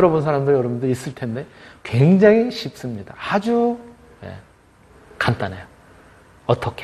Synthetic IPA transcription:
jʌɾʌbuns̬ʰaɾamdojʌɾʌbundɯɾis͈ɯɭtʰe̞nde̞kwe̞ŋd͡ʑaŋiɕʰip̚s͈ɯmɲidahad͡ʑu | je̞̰ | kant͈ane̞jo | ʌt͈ʌkʰe

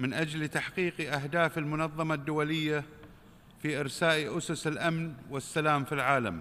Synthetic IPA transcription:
mɪnʔad͡ʒlt̪aħqiːqʔaɦd̪aːfɪlmʊnɑðˤːɑmad̪ːʊwalɪjːa | fiʔɪɾsaːʔʔʊsʊsɪlʔamnwɪsːalaːmfilʕaːla̰m

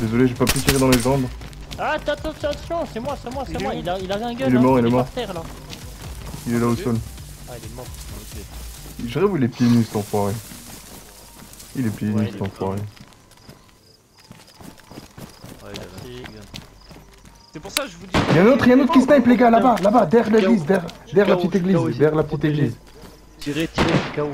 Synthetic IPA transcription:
d̪ezɔleʒepapyt̪iʁed̪ɑ̃leʒɑ̃bʁ | at̪at̪ɑ̃sãsjɔ̃sɛmwasɛmwaɛwailailaʁɛ̃ɡilɛmɔʁilɛmɔʁt̪ɛʁla | ilɛlaosɔl | iʒiʁɛvuilɛpjenyst̪ɑ̃fwaʁe | ilɛpjenyst̪ɑ̃fwaʁe | eɛ̃not̪χeɛ̃not̪χkist̪ɛ̃ɛpleɡalabalabad̪ɛʁleɡlizd̪ɛʁd̪ɛʁlapət̪it̪eɡlizd̪ɛʁlapət̪it̪eɡliz

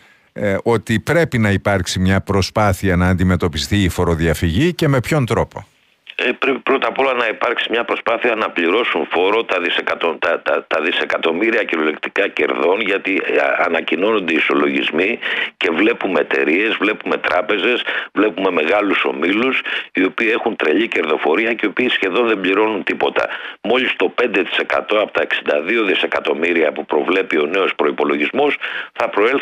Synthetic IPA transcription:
o̞t̪ipɾe̞pinɐipɐɾksimɲɐpɾo̞spɐθiɐnɐːnd̪ime̞t̪o̞pist̪iːfo̞ɾo̞ðiɐfiʝice̞me̞pço̞nt̪ɾo̞po̞̰ | epɾepipɾo̞t̪ɐpo̞lɐnɐipɐɾksimɲɐpɾo̞spɐθiɐnɐpliɾo̞suɱfo̞ɾo̞t̪ɐðisekɐt̪ot̪ɐt̪ɐt̪ɐðise̞kɐt̪o̞miɾiɐceɾolekt̪i̥kɐce̞̰ɾðo̞nʝɐt̪iɐ̰nɐcino̞no̞nd̪eiso̞lo̞ʝizmice̞vle̞pumeet̪e̞̰ɾie̞zvle̞pume̞t̪ɾʔɐpe̞ze̞svle̞pume̞me̞ɣɐluso̞̰milusio̞piːe̞xunt̪ɾe̞ʎice̞ɾðo̞fo̞ɾiɐceiopiːsçe̞ðo̞nðe̞mbʎiɾo̞nunt̪ipo̞t̪ɐ̰mo̞ʎist̪o̞pe̞nd̪e̞t̪i̥se̞kɐ̰t̪o̞ɐpot̪ɐeksind̪ɐðio̞ðise̞kɐt̪o̞miɾiɐpupɾo̞vle̞pio̞ne̞o̞spɾo̞ipo̞lo̞ʝizmo̞sθɐpɾo̞el

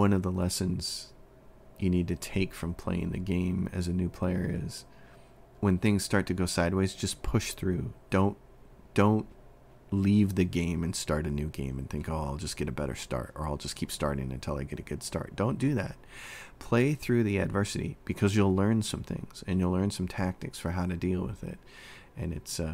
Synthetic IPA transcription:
wʌ̃nʌvðəlɛsɨ̃nz̥ | jɨnid̚tɨtʰeɪkfɹʌ̃mpʰl̥ḛɪɪ̰̃ŋðɨ̰ɡẽɪ̃mɨ̰zɨnʉpʰl̥eɪə̰˞ɪ̰z̥ | wɨ̃nθɪ̃ŋz̥stɑɹtʰɨɡoʊsaɪd̚weɪzd͡ʒʌspʰʊʃθɹʉd̥õʊ̃n | d̥õʊ̃nt | livðɨɡẽɪ̃mɨ̃nstɑɹɾɨnʉɡḛ̃ɪ̃mɨ̃nθɪ̃ŋkoʊaɪlˠd͡ʒʌsɡ̥ɛɾɨbɛɾə̰˞stɑ̰ɹɾə̰˞aɪlˠd͡ʒʌskʰipstɑ̰ɹɾɪ̰̃ŋɨ̃ntʰɪlˠaɪɡɛɾɨɡʊd̥stɑ̰ɹt̚d̥õʊ̃nd̥ɨðæ̰t̚pʰl̥eɪθɹʉðiɨdvɜ˞sɨɾḭb̥ɨkʰʌzjəlˠlɜ̃˞nsʌ̃mθɪ̰̃ŋz̥ɨ̃njɨlˠlɜ̃˞nsʌ̃mtʰæk̚tɨksfə˞ɦaʊɾɨdilˠwɪ̰ðɪ̰t̚ | ʔɨ̃nɨts

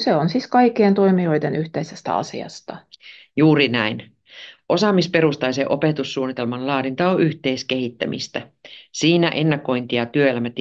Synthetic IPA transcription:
seonsiskɑikːient̪o̞imio̞jd̪enʔyht̪eisest̪æ̰ɑ̰sḭɑ̰st̪ɑ | juːɾinæin | ʔo̞sɑmispe̞ɾust̪ɑjseʔo̞pet̪usːuːnːit̪e̞lmɑnlɑːɾint̪ɑoʔyht̪e̞iske̞ɦit̪ːæmḭst̪æsiːnæʔe̞nːɑko̞jnt̪ijɑt̪yøelæmæt̪

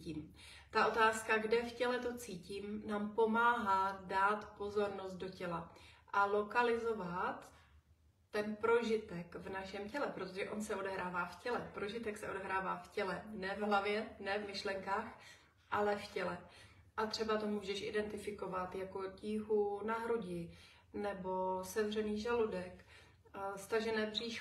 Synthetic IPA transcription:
iːm | t̪aʔo̞t̪aːskaɡdɛfcɛlɛt̪o̞t͡siːciːmnaːmpo̞maːɦaːdaːt̪po̞zo̞ɾno̞st̪̚do̞cɛlaʔalo̞kalɪzo̞vat̪ː | ɛnpɾo̞ʒɪt̪ɛkvnaʃɛmcɛlɛpɾot̪oʒɛʔo̞nsɛo̞dɛɦɾaːvaːfcɛlɛpɾo̞ʒɪt̪ɛksɛʔo̞dɛɦɾaːvaːfcɛlɛnɛvɦlavjɛnɛvmɪʃlɛŋkaːx | ʔalɛfcɛlɛ | ʔat̪r̥ɛbat̪o̞muːʒɛʃʔɪ̰dɛnt̪ɪfɪko̞vat̪jako̞ciːɦunaɦɾoɟɪ | nɛbo̞sɛvr̝ɛniːʒaludɛk | st̪aʒɛnɛːbriːʃ

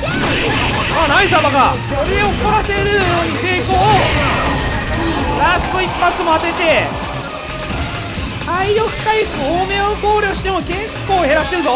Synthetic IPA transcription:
aːnaizabaɡasoɾeeoko̞ɾase̞ɾɯ̟ɾɯjo̞ːɲ̟ise̞ːkoː | ɾasɨ̥t̪oipːat͡sɨmo̞at̪e̞t̪e̞ | aijoɸɯ̟̥kaiɸɯome̞okoːɾʲjo̞ɕi̥t̪e̞mokẽ̞ŋko̞ːhe̞ɾaɕi̥t̪e̞ɾɯ̟t̪o

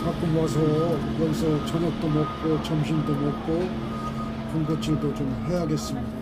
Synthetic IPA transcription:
kak͈umʌs̬ʰʌjʌɡisʰʌt͡ɕʰʌnʌk̚t̪͈omʌk̚k͈ot͡ɕʌmɕʰindomʌt̚k͈o | kʌnɡʌt͡ɕʰidot͡ɕomɦejaɡes͈ɯmida

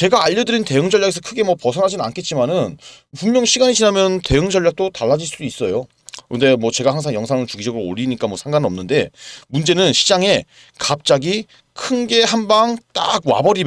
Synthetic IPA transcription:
t͡ɕe̞ɡaːʎːʌdɯɾinte̞ɯŋd͡ʑʌɭjaɡe̞s̬ʰʌkʰɯɡe̞mwʌpʌsʰʌnɦad͡ʑinɯnankʰe̞t̚t͡ɕ͈imanɯn | pummjʌŋɕʰiɡaɲit͡ɕinamjʌnte̞ɯŋd͡ʑʌɭʎːak̚t͈otaɭːad͡ʑiɭs͈udois͈ʌjo | kɯnde̞mwʌt͡ɕe̞ɡahaŋsʰaŋjʌŋsʰaŋɯɭt͡ɕuɡid͡ʑʌɡɯɾoo̰ʎːiɲik͈amwʌsʰaŋɡanɯnʌmnɯnde̞mund͡ʑe̞nɯnɕʰid͡ʑaŋe̞ | kap̚t͡ɕ͈aɡi | kʰɯnɡe̞hanbaŋt͈a̰ɡ̚wa̰bʌɾi

